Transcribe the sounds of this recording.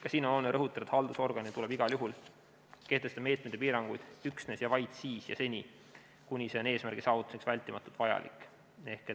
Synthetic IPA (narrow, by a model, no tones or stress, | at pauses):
kɑsiːno̞no̞lneɾɤɦut̪ːˑɑɾet̪hɑld̪uso̞rɡ̥ɑnit̪ule̞biɡ̥ɑljuɦul | ke̞ht̪est̪ɑme̞ːt̪̚met̪ːepiːɾɑŋɡ̥ujd̪̥yksne̞sjɑvɑjt̪siːsjɑ̰se̞nʲi | kunʲisene̞ːsmærɡ̥isɑːvut̪ːˑu̥siksvælʲt̪ːˑimɑt̪ːˑut̪vɑjɑ̰lḭkːˑ | e̞hke